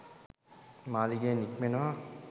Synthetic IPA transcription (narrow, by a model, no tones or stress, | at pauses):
maːliɡeːnikmenəʋa